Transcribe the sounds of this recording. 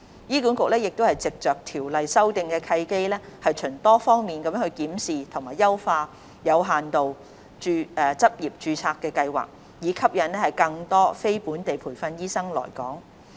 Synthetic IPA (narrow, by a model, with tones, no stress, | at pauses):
jiː˥ku˨˥nkʊ˨k̚lɛː˥jɪ˨k̚t̪o˥hɐ˨˩jt͡sɪ˨k̚t͡ʃœː˨k̚t̪ʰiː˨˩wlɐ˨jsɐ˥wt̪ɪ˧ŋkɛː˧kʰɐ˧jke˥jlɛː˥hɐ˨jt͡ʃʰɵ˨˩ŋt̪ɔː˥fɔː˥ŋmiː˨˩nkɐ˨˥mjœː˨˥hɵ˧jkiː˨˥msiː˨˩t̪ʰʊ˨˩ŋmaː˨˩jɐ˥wfaː˧ | jɐ˨˧wɦaː˨nt̪o˨w | t͡ʃyː˧ɛː˨˩t͡sɐ˥p̚jiː˨p̚t͡ʃyː˧t͡sʰaː˧kːɛː˧kɐ˧jwa̰ː˨˩k̚ | jiː˨˥kʰɐ˥p̚jɐ˨˥nɛː˥hɐ˨˩jkɐ˧ŋt̪ɔː˥fe˥jpuː˨˥nt̪e˨jpʰuː˨˩jfɐ˧njiː˥sɐ˥ŋlɔ̰ː˨˩jkɔ̰ː˨˥ŋ